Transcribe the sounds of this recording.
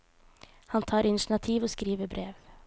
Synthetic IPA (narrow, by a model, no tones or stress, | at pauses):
hɑnt̪ʰɑːɾɪnɪʂɳɑt̪ʰiːʋɔskɾiːʋəɾbɾeːʋ